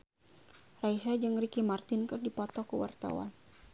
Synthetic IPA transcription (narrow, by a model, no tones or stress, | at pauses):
raisad͡ʒɨŋrikimart̪ɪnkɨrdipɔt̪ɔkəwa̰rt̪a̰wa̰n